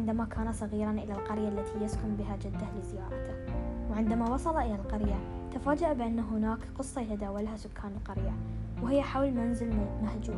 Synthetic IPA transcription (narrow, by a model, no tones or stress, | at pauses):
ɪnd̪amakʰaːnasˤɑɣiːɾˤɑnʔɪlalqɑɾjalːat̪ʰijaskʊmbɪɦad͡ʒad̪ːalɪzɪjɑːɾˤɑt̪awʕɪnd̪amawɑsˤɑlɑʔɪlalqɑɾja | t̪afaːd͡ʒaʔabɪʔanːaɦʊnaːkqɨsˤːɑjat̪ad̪aːwalhasʊkʰːaːnɪlqɑɾjawhɪjːaħawlmanzɪlmahd͡ʒ